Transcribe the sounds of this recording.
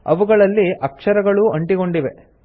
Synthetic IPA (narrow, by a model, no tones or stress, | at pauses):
ɐ̰ʋuɡɐɭɐlːiʔɐkʂɐɾɐɡɐɭuɐɳʈiɡo̞ɳɖiʋe̞̰